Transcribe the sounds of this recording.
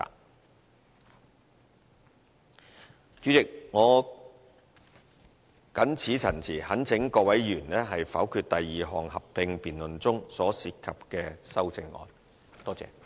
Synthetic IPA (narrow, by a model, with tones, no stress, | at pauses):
t͡ʃyː˨˥t͡sɪ˨k̚ŋɔː˨˧ | kɐ˨˥nt͡sʰiː˨˥t͡sʰɐ˨˩nt͡sʰiː˨˩hɐ˨˥nt͡sʰɪ˨˥ŋkɔː˧wɐ˨˥jɥyː˨˩nnɛː˥ɦɐ˨jfɐ̰˨˥wkʰyː˧t̚t̪ɐ˨jːiː˨ɦɔː˨˩ŋhɐ˨p̚pɪ˧ŋpiː˨nlɵ˨nt͡sʊ˥ŋsɔː˨˥siː˨t̚kʰɐ˨p̚kɛː˧sɐ˥wt͡sɪ˧ŋɔ̰ː˨n | t̪ɔː˥t͡sɛ̰ː˧